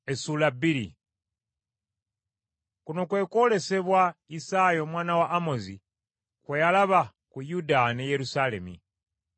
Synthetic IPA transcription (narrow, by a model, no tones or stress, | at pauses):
esulabiɾḭ | kuno̞kwe̞ːko̞le̞se̞βwaisajo̞ːmwaːnawaʔːmo̞zi | kwejalaβa | kujudaneje̞ɾusale̞̰mḭ